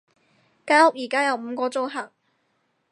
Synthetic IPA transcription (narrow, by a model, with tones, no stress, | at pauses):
kaː˧˥hʊ˥k̚jiː˨˩kaː˥jɐ˨˧wm̩ː˨˧kɔː˧t͡so˥wɦaː˨˩k̚